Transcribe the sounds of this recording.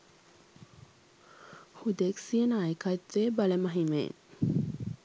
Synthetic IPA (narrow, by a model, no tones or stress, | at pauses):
hud̪eksiənaːjəkat̪ʋeːbaleməɦimḛn